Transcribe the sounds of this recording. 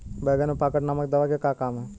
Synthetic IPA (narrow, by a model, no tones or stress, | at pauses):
bɛːɡənepaːkəʈnɐmək̚d̪ɐʋakekaːkaːmɦɛ